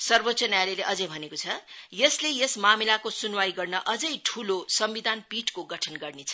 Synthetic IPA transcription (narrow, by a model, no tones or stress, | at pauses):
sʌrbot͡sʌnjalileʔʌd͡zʌjbʱʌnekot͡sʰʌjʌslejʌsmamilakosunwaiɡʌrnʌʔʌd͡zʌjʈʰulosʌmbid̪ʱanpiʈkoɡʌʈʰʌnɡʌrnet͡sʰʌ̥